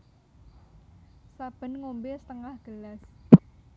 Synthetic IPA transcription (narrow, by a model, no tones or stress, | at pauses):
sab̥ə̤nŋombɪsət̪əŋahɡ̥əlas